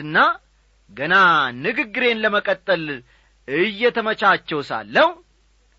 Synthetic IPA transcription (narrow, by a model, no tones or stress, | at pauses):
ɨnːa | ɡənanɨɡɨɡːɨɾe̞nləməkʼət̪ʼːəl | ɨjːɛt̪ʰəmət͡ʃat͡ʃːɛwsa̰lːəhu